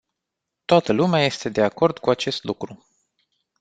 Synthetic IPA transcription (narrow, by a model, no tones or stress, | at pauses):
t̪oat̪əlumeaje̞st̪e̞d̪e̞ako̞rd̪kuat͡ʃe̞st̪lukɾu